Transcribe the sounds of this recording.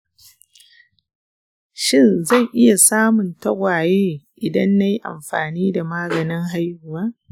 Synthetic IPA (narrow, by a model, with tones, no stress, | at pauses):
ʃɪ˦nza˦˨jʔɪ˦ja˨saː˦mʊ˨ntɐ˦ɡʷaː˨jeː˦ʔɪ˨dɐ˦nːa˦ji˦ʔa̰˨mɸa̰ː˨niː˦da˨maː˦ɡɐ˨nɪ˦ŋɦa˦jhʊ˨waː˦